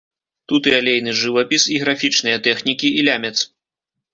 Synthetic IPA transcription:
t̪ut̪ɨalʲejnɨʐɨvɐpʲisiɣɾafʲit͡ʂnɨjɐt̪ɛxnʲikʲiːlʲamʲɛt̪s

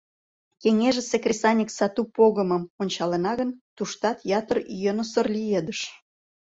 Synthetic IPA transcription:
keŋeʒĕsekrʲisɑnʲiksɑt̪upoɣə̆məmonʲt͡ɕɑlenɑɣənt̪uʃt̪ɑt̪jɑt̪əryjenosərlʲied̪əʃ

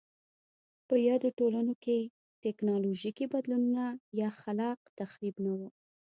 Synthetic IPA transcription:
pəjɑd̪oʈolanoke | tɛknɑloʒikibad̪lununajɑxalɑqt̪axɾibnawu

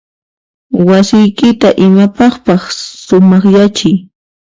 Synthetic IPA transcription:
wasɪjkɪt̪aʔɪmapɑχpɑχsʊmɑχjat͡ʃɪj

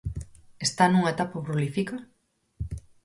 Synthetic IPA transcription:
est̪anuŋaet̪apapɾolifika

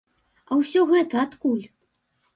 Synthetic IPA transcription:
ɐwsʲɔɣɛt̪ɐat̪kulʲ

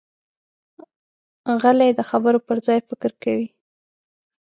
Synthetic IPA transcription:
ɣaled̪əxabəɾopəɾzɑjfɪkɾkawi

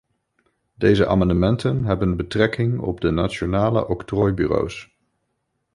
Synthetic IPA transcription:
dejzəʔa̰ːmɑndəmɛntənɦɛbənbətrɛkɪŋɔ̰b̚dənaːt͡ʃonaːlə̰ʔɔktrɔjby̰ro̰ws

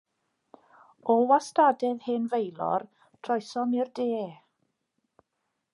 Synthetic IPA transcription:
ɔwastadɛðheːnvejlˠɔ̰r | tʰrɔjsɔmɪrdeː

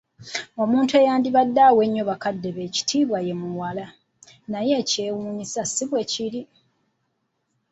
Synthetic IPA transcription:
omuːntueːjaːndiβadːawe̞ɲːoβakadːeβe̞ci̥tʰiːβwaje̞muwala | naje̞ce̞ːwuɲisasiβweciɾi

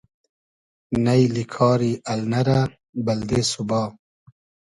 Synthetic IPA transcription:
nɐjlikʰɑːɾiʔɐlnɐɾa | bɐld̪eːsubɑː

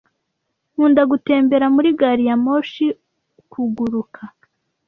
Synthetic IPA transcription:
huːndaɡute̞ːmbe̞ɾamuɾiɡaɾijamoʃi | kʰuɡuɾukʰa

